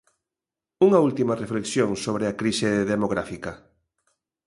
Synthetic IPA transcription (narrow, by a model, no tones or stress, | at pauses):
uŋɐult̪imɐrefleksjoŋsoβɾeakɾiseðemoɣɾafikɐ